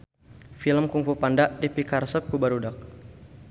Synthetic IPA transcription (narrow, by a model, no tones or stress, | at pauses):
filəmkuŋfupandaʔdipikarsəp̚kubaɾudak̚